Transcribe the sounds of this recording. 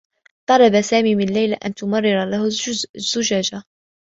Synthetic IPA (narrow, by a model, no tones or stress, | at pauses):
t̪ˤɑlɑbasaːmiːmɪnlːajlaʔant̪ʊmɑrˤːɪɾlahʊz̥ːʊd͡ʒad͡ʒa